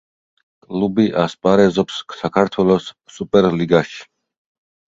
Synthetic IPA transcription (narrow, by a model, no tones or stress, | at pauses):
kʼlubiʔaspʼaɾɛzɔpsːakʰaɾt̪ʰwɛlɔsːupʼɛɾliɡaʃi̥